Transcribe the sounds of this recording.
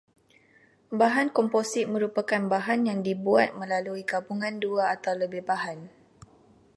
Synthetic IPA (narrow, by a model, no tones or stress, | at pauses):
baɦankɔmposɪt̪̚mə̃ɾupakanbaɦanjaŋdibuat̪̚mə̃laluikapuŋãnduaːt̪awləbɪhbaɦan